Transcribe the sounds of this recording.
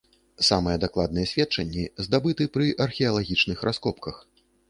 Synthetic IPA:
samɨjɛd̪aklˠad̪̚nɨjɛsʲvʲɛt̪̚t͡ʂɐnʲːizd̪abɨt̪ɨpɾɨʔɐrxʲɛɐlˠaɣʲit͡ʂnɨxɾʔaskɔpkɐx

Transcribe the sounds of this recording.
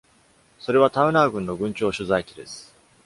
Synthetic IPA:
so̞ɾe̞β̞at̪aɯ̟naːɡɯ̟̃nːo̞ɡɯ̟̃ɲ̟t͡ɕo̞ːɕɨzaikʲid̪e̞sɨ̥

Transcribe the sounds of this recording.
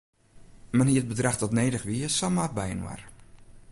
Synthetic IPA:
manɦiət̚bədraxtɔtneːdəxʋiəsɔlˠmat̚bɛjənwa̰r

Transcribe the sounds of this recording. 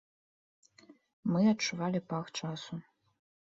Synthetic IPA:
mɨɐt͡ʂuvalʲipaxt͡ʂasu

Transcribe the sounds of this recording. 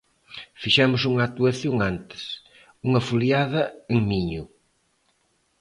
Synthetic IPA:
fiʃɛmʊsuŋɐat̪uɐθjoŋant̪ɪ̥s | uŋɐfuljaðɐeŋmiɲʊ

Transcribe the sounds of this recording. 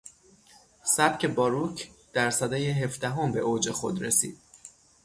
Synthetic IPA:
sæbcʰe̞bɒːɾucʰd̪̥æɾsæd̪ɒːjeɦe̞fd̪æɦo̞mbe̞ʔoːd͡ʒe̞xo̞̰d̪ɾesḭːd̪̥̚

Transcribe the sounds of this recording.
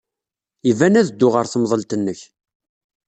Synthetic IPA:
ivænæðəd̪ːʊʁəɾθmðˤəlt̪ənːəç

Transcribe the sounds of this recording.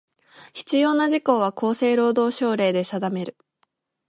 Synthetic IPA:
çi̥t͡sɨjo̞ːnaʑiko̞ːβako̞ːse̞ːɾo̞ːd̪o̞ːɕo̞ːɾe̞ːd̪e̞sad̪ame̞ɾɯ̟

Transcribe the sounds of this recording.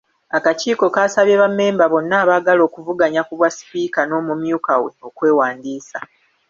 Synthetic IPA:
akaciːko̞kaːsaβjeβamːe̞ːmbaβo̞nːaːβaːɡalo̞ːkuvuɡaɲakuβwasi̥piːkano̞ːmumjuːkawe̞̰o̞kwe̞ːwaːndiːsa

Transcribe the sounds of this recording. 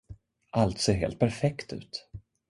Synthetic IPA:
ʔalt̪seːɾɦḛːlt̪̚pʰæɾfɛkt̪ʉ̟̰ːt̪

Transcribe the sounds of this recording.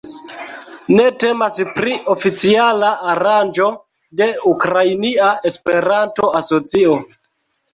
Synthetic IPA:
ne̞te̞maspɾiʔo̞fit͡sialaaɾand͡ʒo̞ | de̞ukɾajniae̞spe̞ɾanto̞aso̞t͡sio̞

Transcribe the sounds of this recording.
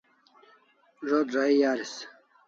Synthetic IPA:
ʐoːd̪ɾaijaːɾis

